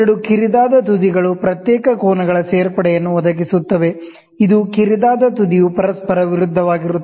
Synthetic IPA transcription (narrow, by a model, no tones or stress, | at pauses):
ɐɽukiɾid̪aːd̪ɐt̪ud̪iɡɐɭupɾɐt̪jɛːkɐkoːnɐɡɐɭɐseːɾpɐɽɛjɐnːuʋɔd̪ɐɡisut̪ːɐʋe̞ | id̪ukiɾid̪aːd̪ɐt̪ud̪ijupɐɾɐspɐɾɐʋiɾud̪ʱːɐʋaːɡiɾuː